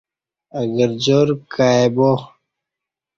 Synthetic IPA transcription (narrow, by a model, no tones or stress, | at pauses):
ɐɡəɾd͡ʑoːɾkʰaːebo